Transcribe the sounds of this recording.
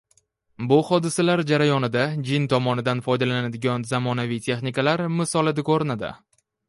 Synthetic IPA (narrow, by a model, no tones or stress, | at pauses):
bʊhɒd̪ɪsalaɾd͡ʒaɾajɒnɪd̪ad͡ʒɪnt̪ʰɒmɒnɪd̪anfɒjd̪alanad̪ɪɡʲɒnzamɒnavɪjt̪ʰe̞χnɪkalaɾmɪsɒlˠɪd̪ɪkʰoɾɪnad̪ɪ̰